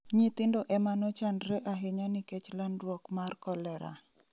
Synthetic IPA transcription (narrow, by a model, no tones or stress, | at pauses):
ɲit̪ɪndɔʔɛmanɔt͡ʃandɾɛʔaɦɪɲaniɪkɛt͡ʃlandwɔkmarkɔlɛɾa̰